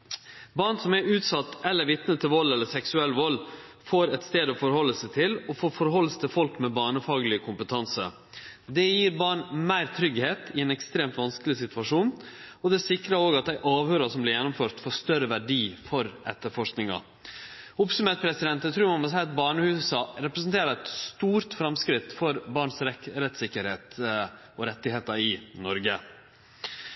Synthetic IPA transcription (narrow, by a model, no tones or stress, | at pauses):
bɑːɳsɔmæɾʉːt̪sɑt̪ːɛlːəɾʋɪt̪nət̪ʰːɪlʋɔlːɛlːəsɛksʉɛlːʋɔlː | foːɾɛt̪st̪eːd̪ɔfɔɾhɔlːəsæɪt̪ʰɪlɔfoːfɔɾhɔlːəst̪ʰɪlfɔlkmɛbɑːɳəfɑːɡlɪəkʰʊmpət̪ʰɑnsə̰ | d̪ɛjiːɾbɑːɳmæɪɾt̪ʰɾʏɡheːt̪ɪɛːnɛkst̪ɾeːmt̪ʋɑnskəlɪsɪt̪ʰʉɑʂuːnɔd̪ɛsɪkɾɑɾoːɡɑt̪̚d̪æɪʔɑːʋhøːɾɑsɔmblɪɾjɛnːʊmføːɾt̪foːʂt̪œɾəʋæɖiːfɔɾʔɛ̰t̪ːəɾfɔʂknɪŋɑ̰ | ʊpsʉmeːt̪̚pʰɾɛsɪd̪ɛnt̪ət̪ʰɾʉːɾmɑnmɔsæɪɑt̪̚bɑːɳəhʉːsɑɾɛpɾəs̬nt̪ʰeːɾɑɾɛt̪st̪uːɾt̪fɾɑmskɾɪt̪fɔɾbɑːɳsɾɾɛt̪ːsɪkːəɾheːt̪ | ɔɾɛt̪ːɪheːt̪ɑɪnɔɾɡə